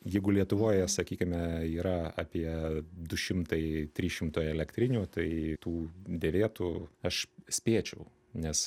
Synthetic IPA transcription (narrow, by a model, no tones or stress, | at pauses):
jɛɪɡʊlʲiɛt̪ʊʋoːjɛsɐkʲiːkʲɪmʲɛiːɾɐɑ̰ːpʲiɛd̪ʊʃʲɪmt̪ɐɪt̪ʲɾʲiːʃʲɪmt̪oːjɛlʲɛkt̪ʲɾʲɪnʲuːt̪ɐɪt̪uːd̪ʲeːʋʲeːt̪uːɐʃsʲpʲeːt͡ʃʲɛʊ | nʲɛs